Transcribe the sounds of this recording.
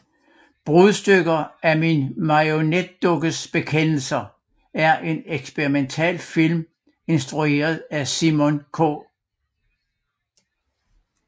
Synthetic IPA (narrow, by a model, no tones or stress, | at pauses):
b̥ʁuðˠsd̥øɡ̥ɐæminmɑ̈o̝ned̥ːɔɡ̥əsb̥e̝kʰen̰l̩sɐ | æɐʔe̝neɡ̥sb̥eʁiment͡sʰɛ̰ːlfilm | e̝nsd̥ʁue̝̰ːɐð̞ˠæsimɔnkʰɔ̰ː